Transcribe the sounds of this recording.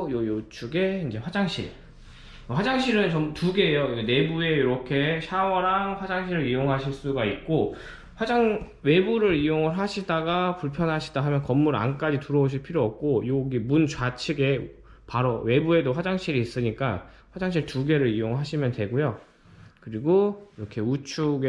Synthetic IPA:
jojot͡ɕʰuɡe̞ind͡ʑe̞ɸwad͡ʑaŋɕʰḭɭ | ɸwad͡ʑaŋɕʰiɾɯnt͡ɕʌmtuɡe̞joiɡene̞bue̞iɾʌkʰe̞ɕʰawʌɾaŋɸwad͡ʑaŋɕʰiɾɯɾijoŋɦaɕʰiɭs͈uɡait̚k͈o | ɸwad͡ʑaŋ | we̞buɾɯɾijoŋɯɭɦaɕʰidaɡapuɭpʰjʌnɦaɕʰi̥daɦamjʌnkʌmːuɾa̰nk͈ad͡ʑituɾʌoɕ̬ʰiɭpʰiɾjoʌp̚k͈ojoɡimunt͡ɕwat͡ɕʰiɡe̞ | paɾowe̞bue̞doɸwad͡ʑaŋɕ͈ʰiɾiːs͈ɯɲik͈a | ɸwad͡ʑaŋɕ̬ʰiɭtuɡe̞ɾɯɾijoŋɭɦaɕʰimjʌntwe̞ɡojo | kɯɾiɡoiɾʌkʰe̞ut͡ɕʰuɡe

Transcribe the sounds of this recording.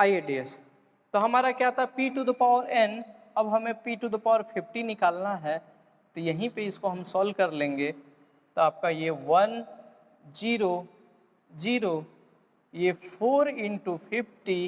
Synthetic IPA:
aːieɖies | t̪oɦɐmaːɾakjat̪aɛpiʈud̪əpaːʊəɾɛn | ɐbɦɐmẽpiːʈud̪əpaːəɾpʰɪpʰʈinɪkaːlnaɦɛː | t̪ojɐɦĩpeɪskoɦɐmsɔːlkɐɾlẽːŋɡe | t̪oaːp̚kajeʋɐn | d͡ʒiːɾo | d͡ʒiːɾo | jepʰoːɾɪ̃ɳʈupʰɪpʰʈi

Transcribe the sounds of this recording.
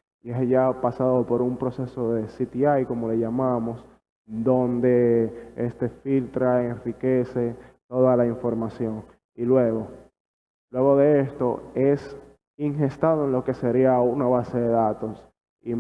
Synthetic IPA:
iesʝapasaðopo̞ɾumpɾo̞se̞so̞ðe̞sit̪iajko̞mo̞le̞ʝamamo̞s | d̪o̞nd̪e̞est̪e̞filt̪ɾaenrike̞se̞t̪o̞ðalaiɱfo̞ɾmasjo̞ŋ | ilwe̞ɣo̞ | lwe̞ɣo̞ðe̞est̪o̞̰e̞s | iŋɦe̞st̪aðoenlo̞ke̞se̞ɾiaunaβase̞ðe̞ðat̪o̞s | i

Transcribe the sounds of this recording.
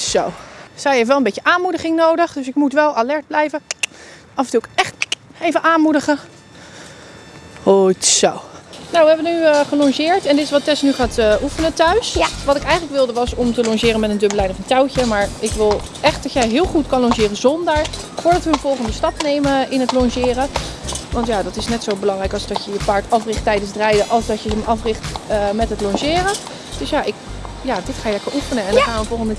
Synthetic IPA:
sowsɛjefʋɛlˠəmbejkjəʔaːnmudəχɪŋnowdəχdɵsɪkmutʋɛlˠalɛɹd̚blɛjvə | ɑfəntukɛχtejvəʔaːnmudəχə | hotsownawʋəɛbənyχəlɑŋʒɪːɹtɛndɪtɪ̥sʋɑtːɛsnyχaːtəʔufənətœɥsʋɑtɪkɛjχələkʋɪlˠdəʋɑsɔmtəlɔŋʃɪːrənmɛtəndøbəlɛjnɔfəntɛwcəmaːɹʔɪkʋɪlˠ | ʔɛχt̚d̥ɑtjɛjɦɪːlˠχutkɑnlɔŋʒɪːrəzɔndaːɹ | fʊːɹdɑtʋəːnvɔlˠχəndəstɑpnejməɪnɦətlɔŋʃɪːrəʋɑntjaːdɑtɪsnɛtsowbəlɑŋrɛjkɑlˠzdɑtjəjəpaːɹtɑfrɪχtːɛjdənzdrɛjdəʔɑlˠzdɑtjəəmɑfrɪχtːmɛtɦətlɔŋʒɪːrə | d̥ɵsjaːʔɪkjaːdɪtχaːjəlɛkəɹufənəɛndχaːnʋəvɔlˠχəndə

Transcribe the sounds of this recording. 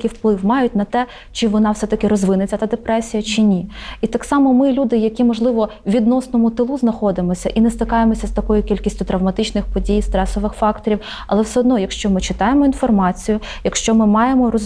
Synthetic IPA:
kɪwplˠɪwmɑjʊtʲnɐt̪ɛ | t͡ʃɪʋɔnɑwsɛt̪ɐkɪɾɔzʋɪnɪt͡sʲɐt̪ɐd̪epɾɛsʲijɐt͡ʃɪnʲiit̪ɑksɑmɔmɪlʲud̪ɪjɐkʲimɔʒlˠɪʋɔʋʲid̪nɔsnɔmʊt̪ɪlˠuznɐxɔd̪ɪmɔsʲɐʔinɛst̪ɪkɑjemɔsʲɐst̪ɐkɔjʊkʲilʲkʲisʲtʲʊt̪ɾɐwmɐt̪ɪt͡ʃnɪxpɔdʲijst̪ɾɛsɔʋɪxfɑkt̪ɔɾʲiw | ɐlˠɛwsɛɔd̪nɔjɐkʃt͡ʃɔmɪt͡ʃɪt̪ɑjemɔinfɔrmɑt͡sʲijʊ | jɐkʃt͡ʃɔmɪmɑjemɔrɔ

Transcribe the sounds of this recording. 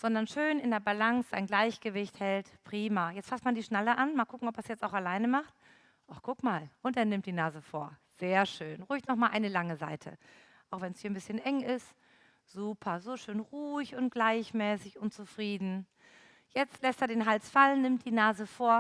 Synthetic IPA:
z̥ɔndɐnʃøːnɪndeːɐbalaŋsz̥a̰ɪnɡlaɪçɡ̥əvɪçthɛltpʁ̥iːmajɛt͡stfastmandiːʃnaləʔanmaːlkʰʊkŋ̩ɔpːɐsjɛt͡staʊxalaɪnəmaχt | ʔɔχkʰʊkmaːlʔʊnteɐnɪmtd̥iːnaːzəfoːɐ | z̥eːɐʃøːnʁuːɪçtnɔχmaːlʔaɪnəlaŋəza̰ɪtʰə̰ | ʔaʊxv̥ɛnshiɐnbɪsçənʔɛŋɪst | z̥uːpʰɐzoʃøːnʁuːɪçʊnt̚ɡ̥laɪçmɛːsɪçʔʊnt͡sufʁ̥iːdn̩ | jɛt͡stlɛsteːɐdeːnɦalsfalənːɪmtd̥iːnaːzəfoːɐ

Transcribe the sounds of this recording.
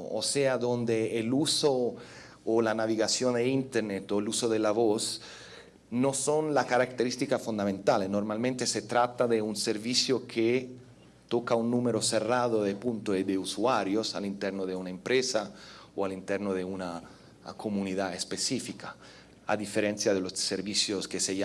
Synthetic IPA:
o̰sead̪ond̪eːlusoː | lanaviɣasjond̪eint̪eɾnet̪oelusoðelavos | nosonlakaɾakt̪eɾist̪ikafund̪amẽnt̪alenormalmẽnt̪eset̪ɾat̪aðeunseɾvisjokʰe | t̪okaunːumeɾoseraðoðepunt̪oed̪eusuaɾjosa̰lint̪ɛrnoðeunaempɾesaoalint̪ɛɾnoðeuna | kʰomuniðaespesifika | a̰d̪ifeɾɛnt̪sjaðelosseɾvisjoskeseja

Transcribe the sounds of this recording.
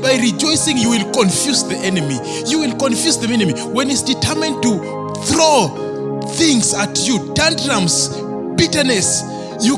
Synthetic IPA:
bajɾid͡ʒɔjsĩŋjuwilkɔ̃nfjusðiʔɛnɛmi | juwilkɔ̃nfjusðɛmɛnɛmi | wɛ̃nitsditʰɛmɛ̃nd̚tu | θɹɔ | θĩŋsatʰjudãndɹãms | bitənɛs | ju

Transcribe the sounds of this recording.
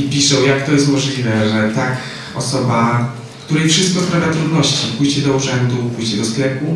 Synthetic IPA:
ipʲiʂɛwjakt̪ɔjɛst̪mɔʐlʲivɛʐɛt̪ak | ɔ̰sɔba | kt̪uɾɛjfʂɘst̪̚kɔst̪ɾavʲat̪ɾud̪nɔɕt͡ɕipujt͡ɕɛd̪ɔuʐɛnd̪upujt͡ɕɛd̪ɔsklɛpu

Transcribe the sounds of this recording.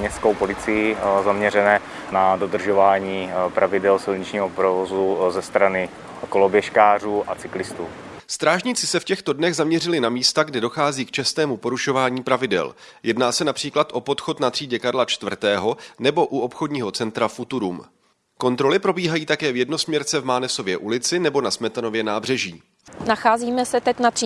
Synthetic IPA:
ɲɛskowpo̞lɪt͡sɪjɪzamɲɛɾɛnɛː | nado̞d̪r̩ʒovaːɲiːpɾʔavɪdɛlsɪlɲɪt͡ʃɲiːɦopɾovozuzɛst̪ɾanɪ | kolobjɛʃkaːr̝uːʔat͡sɪklɪst̪uː | st̪ɾaːʒɲɪt͡sɪsɛfcɛxt̪odnɛɣzamɲɛrɪlɪnamiːst̪aɡdɪdo̞xaːziːkt͡ʃɛst̪ɛːmupo̞ɾuʃo̞vaːɲiːpɾavɪdɛ̰l | jɛdnaːsɛnapr̥iːklat̪ʔo̞po̞t̪xo̞t̪nat̪r̥iːɟɛkaɾlat͡ʃt̪vr̩t̪ɛːɦo̞nɛbo̞ʔuo̞pxo̞dɲiːɦo̞t͡sɛnt̪ɾafut̪uɾum | ko̞nt̪ɾo̞lɪpɾo̞biːɦajiːt̪akɛːvjɛdno̞smɲɛɾt͡sɛvmaːnɛso̞vjɛʔulɪt͡sɪnɛbo̞nasmɛt̪anovjɛnaːbr̝ɛʒiː | naxaːziːmɛsɛt̪ɛcnat̪r̥i

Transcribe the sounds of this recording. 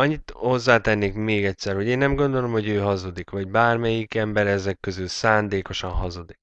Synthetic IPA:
ɒɲːit̪ho̞zːaːt̪ɛnːeːkmeːɡɛtʲsɛrho̞ɟeːnːɛmɡo̞nd̪o̞lo̞mho̞ɟøːɦɒzod̪ikʋɒɟbaːrmɛjikɛmbɛɾɛzɛkːøzylsaːnd̪eːko̞ʃɒnɦɒzod̪i

